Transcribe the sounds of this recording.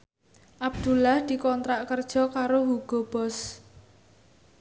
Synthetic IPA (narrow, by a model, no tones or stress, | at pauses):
ʔab̚d̪̥ṳlahd̪̥i̤kɔnt̪ɾaʔkərd̥ʒ̥ɔ̤kaɾoɦuɡ̥ɔb̥ɔs